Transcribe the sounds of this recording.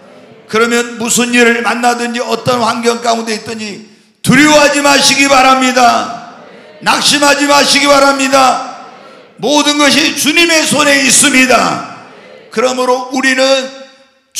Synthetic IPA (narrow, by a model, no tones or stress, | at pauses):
kɯɾʌmjʌnmusʰuniɾɯɭmanːadɯnd͡ʑiʌt͈ʌnɸwaŋɡjʌŋk͈aunde̞it͈ʌɲd͡ʑi | tuɾjoɦad͡ʑimaɕʰiɡibaɾamɲida | nak̚ɕ͈imɦad͡ʑimaɕʰiɡibaɾamɲida | modɯnɡʌɕ̬ʰit͡ɕuɲime̞sʰone̞is͈ɯmɲida | kɯɾʌmɯɾouɾinɯn